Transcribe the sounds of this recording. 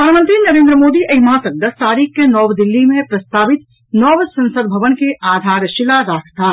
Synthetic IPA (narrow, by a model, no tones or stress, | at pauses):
pəd̪ʱanmə̃nt̪ɾinɐɾẽːnd̪ɾəmoːd̪iʔɐɦimãsəɡ̚d̪ət̪aːɾiːkːenɔːʋd̪ɪlːimẽpɾəst̪aːʋɪt̪ | nɔːʋsə̃nsəd̪bʱɐʋənkeʔaːd̪ʱaːɾʃɪlaɾaːkʰt̪aː